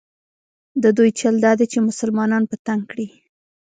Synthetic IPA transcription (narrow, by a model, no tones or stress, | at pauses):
d̪əd̪ujt͡ʃald̪ɑd̪et͡ʃemʊsəlmɑnɑnpət̪aŋkɽi